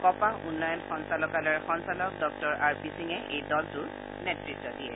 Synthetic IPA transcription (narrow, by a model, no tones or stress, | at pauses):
kɔpahunːɔjɔnxɔnsalɔkalɛɹxɔnsalɔk̚dɔk̚tɔɹaɹpisiŋɛʔejdɔltʊ | nɛtɹitːɔdijɛ